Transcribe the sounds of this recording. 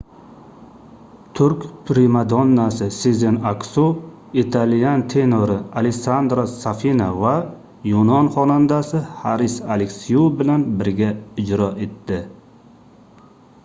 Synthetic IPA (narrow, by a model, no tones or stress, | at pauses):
t̪ʰʊɾkʲpʰɾimad̪ɒnːasɪsizenaksu | it̪ʰalijant̪ʰe̞noɾɪaleksand̪ɾasafinava | jonɒnχɒnand̪asɪhaɾɪsalekʲsijubɪlanbɪɾɡʲaɪd͡ʒɾɒʔe̞t̪ːɪ